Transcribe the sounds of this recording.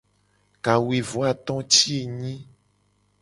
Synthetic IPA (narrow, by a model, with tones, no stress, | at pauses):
ka˨wi˨vo˨˦a˨t̪ɔ̃˦t͡ʃi˦e˨ɲĩ˦